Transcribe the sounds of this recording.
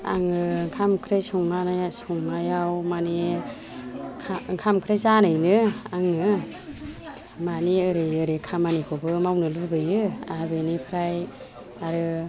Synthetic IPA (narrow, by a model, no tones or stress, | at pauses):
a̰ŋɯkʰamkʰɾejsɔŋnansɔŋnajawmane | kʰamkʰɾejzanɯjnɯaŋɯ | maneɯɾejɯɾekʰamanikʰɔbɯmawnɯlɯbɯjɯabenipʰɾaj | aɾɯ